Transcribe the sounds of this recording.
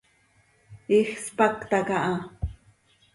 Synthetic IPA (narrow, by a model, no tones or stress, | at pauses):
ixspakt̪akaʔɑ